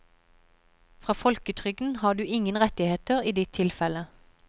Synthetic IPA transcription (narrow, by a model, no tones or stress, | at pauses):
fʁɑːfɔlkət̪ʰʁʏɡn̩hɑːd̪ʉːɪŋənʁɛt̪ɪheːt̪əʁiːd̪ɪt̪ʰːɪlfɛlə